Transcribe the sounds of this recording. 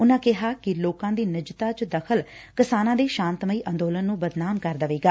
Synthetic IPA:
ʊnãːkɪɦaːkɪloːkãːd̪iːnɪd͡ʒt̪aːt͡ʃd̪əkʰəlkɪsaːnãːd̪eːʃãːnt̪məiːʔə̃nd̪oːlənːũːbəd̪naːmkəɾd̪əʋeːɡaː

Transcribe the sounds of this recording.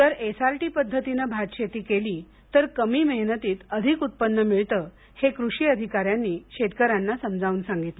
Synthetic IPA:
t̪əɾesaɾʈiːpəd̪ʱːət̪inəbʱat̪ɕet̪iːkeliː | t̪əɾkəmiːməɦnət̪iːt̪əd̪ʱikut̪̚pənːəmiɭt̪əː | hekɾuʂiːəd̪ʱikaɾjanːiːɕet̪kəɾanːasəmd͡zʱaʋuːnsãŋɡit̪l

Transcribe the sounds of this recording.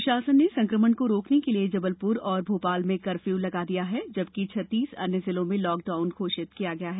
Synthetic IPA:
ʊʃaːsənːesɐ̃ŋkɾəmənkoɾoːknekelied͡ʒɐbəlpʊɾɔːɾbʱoːpaːlmẽkɐɾfjuːlɐɡad̪ijaɦɛd͡ʒɐb̚kit͡ʃʰɐt̪ːiːsɐ̰njəzɪlõmẽlɔːk̚ɖaːʊnkʰoːʃɪt̪kijaɡɐjaɦɛː

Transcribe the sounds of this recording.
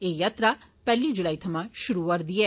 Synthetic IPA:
eːjaːt̪ɾapɛːlid͡ʒʊlaːit̪ʰɐmãʃʊɾuʋɐɾd̪ieː

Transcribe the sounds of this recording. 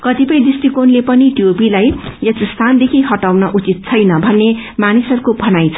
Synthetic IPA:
kʌt̪ipʌj̃d̪isʈikonlepʌniʈijopilajjʌsst̪ʰand̪ekʰiɦʌʈawnʌʔut͡sit̪̚t͡sʰʌjnʌbʱʌnːemanisʌrukobʱʌnajt͡sʰ

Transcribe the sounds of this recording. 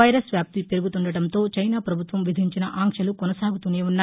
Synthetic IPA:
ɐjɾɐsʋjaːp̚t̪ipeɾuɡut̪uɳɖɐɽɐnt̪o̞ːt͡ʃɐjnaːpɾɐbʱut̪ʋɐmʋid̪ʱiɲt͡ʃinɐʔaːŋʂɐlukɔnɐsaːɡut̪uneːunːaː

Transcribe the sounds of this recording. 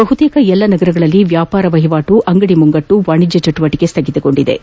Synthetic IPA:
bɐɦut̪eːkɐɛlːɐnɐɡɐɾɐɡɐɭɐlːiʋjaːpaːɾɐʋɐɦiʋaːʈuʔɐŋɡɐɽimuŋɡɐʈːuʋaːɳid͡ʒːɐt͡ʃɐʈuʋɐʈiɡest̪ɐɡit̪uɡo̞ɳɖid̪ḛ

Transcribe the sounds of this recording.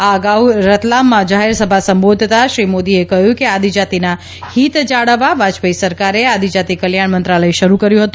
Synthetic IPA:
aəɡawɾət̪lamːãd͡ʒaɦɛɾsəbʱasəmbod̪ʱt̪aʃɾimod̪iekəɦjũkead̪ʱid͡ʒat̪ina | hit̪d͡ʒaɽəʋabʱad͡ʒpəisəɾkaɾead̪ʱid͡ʒat̪ikəljaɳmənt̪ɾaləeʃəɾukəɾjũɦət̪ũ

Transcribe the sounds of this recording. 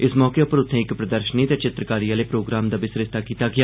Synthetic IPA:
ɪsmɔːkeːʊpəɾʊt̪ʰːẽːɪkpɾəd̪əɾʃəniːt̪eːt͡ʃɪt̪ɾəkaːɾiːaːleːpɾoːɡɾaːmd̪aːbɪsɾɪst̪aːkiːt̪aːɡɪaː

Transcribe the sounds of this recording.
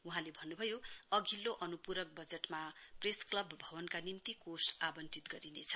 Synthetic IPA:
uɦãlebʱʌnːubʱʌjoʌɡʱilːoʔʌnupuɾʌk̚bʌd͡zeʈmapresklʌbːʱʌβʌnkanint̪ikosabʌnt͡sit̪ɡʌɾinet͡sʰʌ̥

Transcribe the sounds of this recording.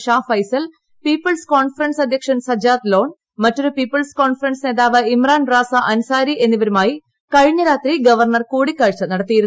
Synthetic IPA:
ʂaːfɐjsɐl | piːpːɐlskoːɳfɐrɐɳsɐd̪ʱjɐkʂɐnsɐd͡ʑaːt̪lo̞ːɳ | mɐtːoɾupiːpːɐlsko̞ːɳfɐrɐnsne̞ːðaːʋɐimraːnraːsɐʔɐnusaːɾiʔe̞nːiʋɐɾumaːji | kɐɻiɲːɐɾaːt̪riɡɐʋɐrɳɐrkuːɽikːɐɻt͡ɕːɐnɐɽɐt̪ːijiɾun

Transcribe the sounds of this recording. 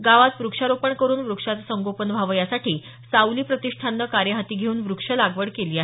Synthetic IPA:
ɡaʋat̪ʋɾukʂaɾopəɳkəɾuːnʋɾukʂat͡s̪səŋɡopənʋʱaʋəjasaʈʰiː | sauliːpɾət̪iʂʈʰanːəkaɾjəɦat̪iːɡʱeuːnʋɾukʂəlaɡʋəɽkeliːaɦe

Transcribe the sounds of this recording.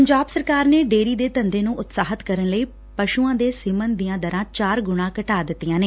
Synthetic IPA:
əɲd͡ʒaːbsəɾkaːɾneːɖeːɾiːd̪eːt̪ənd̪eːnũːʔʊt̪saːɦət̪kəɾənləiː | pəʃuːãːd̪eːsɪmənd̪ijãːd̪əɾãːt͡ʃaːɾɡʊɽ̃ãːkəʈaːd̪ɪt̪ːijãːneː

